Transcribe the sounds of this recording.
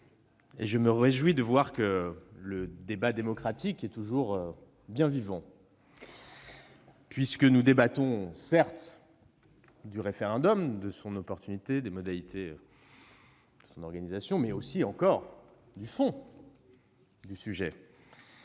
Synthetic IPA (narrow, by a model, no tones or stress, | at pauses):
ḛʒəməʁeʒwid̪əvwaʁkələd̪ebad̪emɔkχat̪ikɛt̪uʒuʁø | bjɛ̃vivɑ̃ | pɥiskənud̪ebat̪ɔ̃sɛʁt̪ | d̪yʁefeʁɑ̃d̪ɔmd̪əsɔ̃nɔpɔʁt̪ynit̪ed̪emɔd̪alit̪ʰe | d̪̥əsɔ̃nɔʁɡanizasjɔ̃mɛosiɑ̃kɔʁ | d̪yfɔ̃ | d̪ysyʒɛ